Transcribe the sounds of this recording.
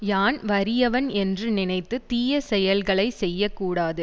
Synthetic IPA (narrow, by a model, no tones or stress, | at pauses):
jaːnʋɐɾɪjɐʋɐnɛndrɯnɪnɐɪt̪ːɯt̪iːjɐsɛjɐlɣɐɭɐɪsɛjːɐkːuːɽaːðɯ